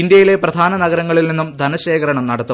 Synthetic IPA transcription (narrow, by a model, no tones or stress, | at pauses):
ind̪jɐjile̞prɐd̪ʱaːnɐnɐɡɐɾɐŋːɐɭilninːumd̪ʱɐnɐɕeːkɐɾɐɳɐmnɐɽɐt̪ːu